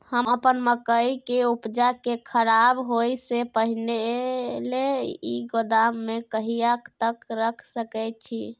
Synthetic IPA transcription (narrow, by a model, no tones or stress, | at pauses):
həməpənməkəjkeupd͡ʒakekʰəɾabɦojsepəɦineleiɡod̪amːekəɦijəkt̪əkɾəkʰsəkɛjt̪̚t͡ʃʰḭ